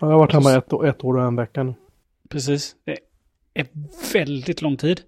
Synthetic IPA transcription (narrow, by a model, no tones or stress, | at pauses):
ɑd̪ɛhavaʈːhɛmːaɛt̪ːoɛt̪ːoːɾɔɛnvɛkːanʉ̟ː | pʰɾɛs̬iːsd̪̥ɛ | ɛɾvɛld̪ɪt̪lɔŋːt̪ʰiːd̪